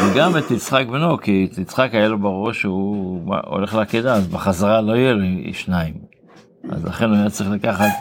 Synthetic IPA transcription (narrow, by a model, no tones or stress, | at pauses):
veɡamet̪it͡sχakbenokit̪it͡sχakajalobaʁoʃuma̰o̰le̞χleakedaːzbeχazaʁalo̞ijeloḭʃnaim | a̰zla̰χe̞nuajat͡saʁiχlakaχat̪